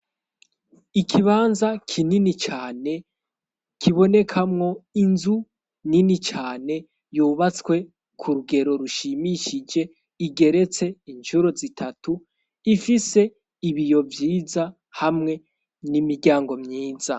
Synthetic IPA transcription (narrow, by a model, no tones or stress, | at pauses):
ikʰiβaːnzakʰininit͡ʃaːne̞ | kʰiβo̞ne̞kʰamŋo̞inzu | ninit͡ʃaːne̞ | juːβat͡skwe̞ | kʰuɾuɡe̞ɾo̞ɾuʃimiʃid͡ʒe̞ | iɡe̞ɾe̞t͡se̞iɲt͡ʃuɾo̞zitʰatu | ifise̞ | iβijo̞vjiːza | hamŋe̞ | nimiɾɟaːŋɡo̞mɲiːza